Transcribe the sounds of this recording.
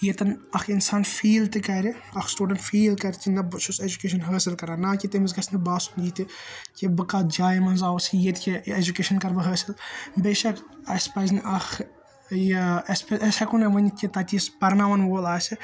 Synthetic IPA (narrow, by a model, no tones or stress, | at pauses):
jet̪ɐnɐxinsaːnfiːlt̪ikɐɾiɐxsʈuːɖɐnʈfiːlkɐɾʲkinɐbɐt͡ʃʰused͡ʒukeːʃ̬ɐnɦəːsilkɐɾaːnaːkit̪emɐzɡɐɾsnibaːsuniːt̪ikibɨkaːd͡ʒaːjmɐnzaːwsjet̪ikʲied͡ʒukeːʃɐnkɐɾbɐɦəːsilbeʃɐkɐspɐzniʔɐx | jeɐspeɐsɐkunɐʋɐnkʲit̪ɐt̪ʲiːsbɐɾnaʋɐnʋoːlaːsʲi